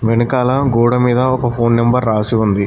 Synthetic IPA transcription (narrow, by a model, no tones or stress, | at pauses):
ʋenɐkaːlɐɡoːɽɐmiːd̪ɐɔkɐpʰoːnːembɐɾːaːsiund̪i